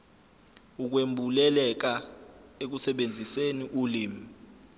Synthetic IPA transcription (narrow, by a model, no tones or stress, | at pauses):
uk̬wembʱulɛlɛk̬aek̬usɛɓend͡zʱiseniʔuliːmi